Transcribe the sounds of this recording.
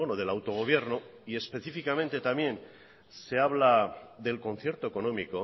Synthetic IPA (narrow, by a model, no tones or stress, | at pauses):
onoð̞e̞lawt̪oɣ̞o̞β̞je̞ɾno̞ie̞spe̞θifikament̪e̞t̪amje̞n | se̞aβlaðe̞lko̞n̟θje̞ɾt̪oeko̞nõ̞miko̞